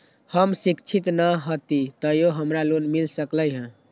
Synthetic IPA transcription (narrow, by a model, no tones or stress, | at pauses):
həmsikt͡ʃʰit̪nəɦot̪it̪əjoɦəmɾalonmilsəkləjɦə̃